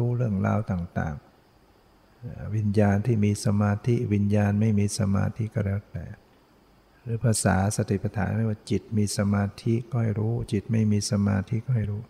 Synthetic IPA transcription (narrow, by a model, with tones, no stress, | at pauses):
uː˦˥ɾɯ˥˩əŋla̰ː˧wt̪aː˨˩ŋt̪a̰ː˨˩ŋ˨ | wi˧˥njaː˧nt̪ʰiː˥˩miː˧sa˧maː˧t̪ʰi˦˥wi˧˥njaː˧nma˥˩jmiː˧sa˧ma̰ː˧t̪ʰi˦˥ʔkɔː˧˩lɛː˧˩wt̪ɛ̰ː˨˩ | ɾɯː˨˦pʰaː˧saː˩˦sa˧t̪ʰi˨˩pa˧t̪ʰaː˨˩˦nɾwaː˥˩t͡ɕi˨˩t̪̚miː˧sa˧maː˧t̪ʰi˦˥ʔkɔː˧˩ha˧˨˩jɾuː˦˥t͡ɕi˨˩t̪̚ma˥˩jmiː˧sa˧ma̰ː˧t̪ʰi˦˥ʔkɔː˥˩ha˧˩jɾuː˦˥